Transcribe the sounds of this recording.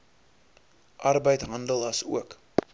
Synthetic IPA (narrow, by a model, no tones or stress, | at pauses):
ʔɐrbəjtɦɐndəlˠɐsṵək